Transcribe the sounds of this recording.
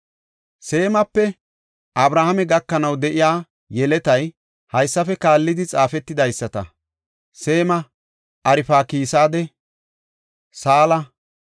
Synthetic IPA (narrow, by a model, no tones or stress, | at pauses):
se̞ːmɐpːɛ | ʔɐbɾaːhɐmɛɡɐkːɐnɐwd̪ɛʔɪjaː | jɛlɛt̪ɐj | hɐjsːɐfɛkaːlːɪd̪ɪt͡sʼaːfɛt̪ːɪd̪ɐjsːɐt̪ɐ̰ | se̞ːmɐ | ɐɾɪfaːkiːsaːd̪ɛ | saːlɐ